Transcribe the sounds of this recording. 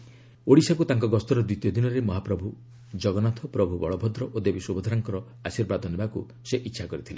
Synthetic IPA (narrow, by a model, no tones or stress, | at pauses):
oɽisakut̪aŋkɔɡɔst̪ɔɾɔd̪wit̪jɔd̪inɔɾemɔɦapɾɔbʱu | d͡ʒɔɡɔnat̪ʰɔpɾɔbʱubɔɭɔbʱɔd̪ɾɔʔod̪ebiswubɔd̪ʱaɾaŋkɔɾɔ | asiɾbad̪ɔnebaku | seʔitːʃʰakɔɾit̪ʰile